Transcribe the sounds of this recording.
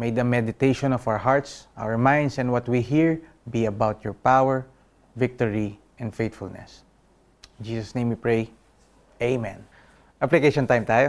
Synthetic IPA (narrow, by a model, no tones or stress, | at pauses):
mejd̪ɐmɛd̪ɪt̪ejʃɔ̃nɔfawəɹɦaɹt̪sʔa̰wəɹmãj̃nd̪sɛ̃nwʌt̪wiɦiɹ | biɐbawt̪jɔɹpawɛɹ | vɪk̚t̪ɔɹi | ʔɛ̃nd̪fejt̪fʊ̰lnɛ̰s | ɪ̃nd͡ʒiːsɐsnẽjmwipɹej | ʔeɪmɛ̃n | ʔaplɪkeʃɔ̃nt̪ãjmt̪aːjo